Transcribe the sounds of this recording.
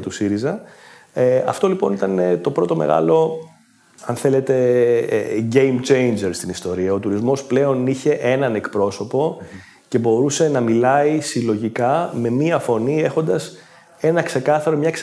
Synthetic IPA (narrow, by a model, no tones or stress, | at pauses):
t̪usiɾizɐ | eɐ̰ft̪o̞lipo̞nit̪ɐne̞t̪o̞pɾo̞t̪ome̞̰ɣɐ̰lo̞ | ɐnθe̞le̞t̪e̞̰ | ɟe̞jmt͡ʃe̞jnd͡ʒeɾst̪inist̪o̞ɾiɐo̞t̪uɾizmo̞sple̞o̞niçe̞ʔe̞nɐne̞kpɾo̞so̞po̞ | ce̞bo̞ɾuse̞nɐmilɐisilo̞ʝikɐme̞miɐfo̞nie̞xo̞nd̪ɐs | e̞nɐkse̞kɐθɐɾo̞mɲɐks